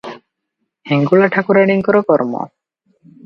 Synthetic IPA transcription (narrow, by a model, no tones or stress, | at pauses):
hiŋɡulaʈʰakuɾaɽiŋkɔɾɔkɔɾmɔ̰